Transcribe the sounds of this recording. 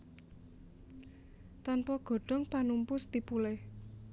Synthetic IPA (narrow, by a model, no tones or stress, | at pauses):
t̪ɔnpɔɡ̥ɔ̤ɖ̥ɔ̤ŋpanumpʊst̪ipulɛh